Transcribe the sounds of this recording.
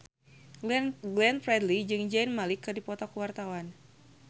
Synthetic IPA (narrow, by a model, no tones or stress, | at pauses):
ɡlɛnfɾɛdlid͡ʒɨŋd͡ʒainmalikːɨrdipɔt̪ɔkuwart̪awan